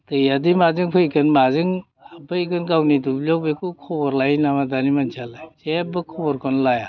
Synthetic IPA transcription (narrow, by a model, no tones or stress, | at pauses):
tɯjadimazɯŋpʰɯjkɯnmazɯŋ | abɯjkɯnɡawnidublɔwbekukʰɔbɔɾlajnamadanimant͡ʃʰalasebɯkʰɔbɔɾkʰɔnlaja